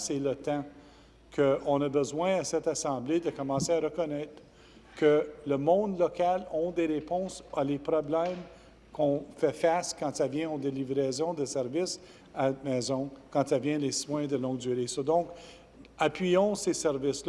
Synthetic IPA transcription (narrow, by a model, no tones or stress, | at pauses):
sɛlət̪ã | kʰəɔ̃nabəzwɛ̃asɛt̪asɑ̃bled̪əkɔmɑ̃seaɾəkɔnɛt̪ɾ | kələmɔ̃d̪lɔkalɔ̃d̪eʁepɔ̃salepɾɔblɛm | kʰɔ̃fɛfaskɑ̃t̪avjɛ̃od̪elivɾɛzɔ̃d̪əsɛʁvɪs | amɛːzɔ̃kɑ̃t̪avjɛ̃leswɛ̃d̪əlɔ̃ɡd̪yʁesɔd̪ɔ̃k | apɥijɔ̃sesɛʁvɪsl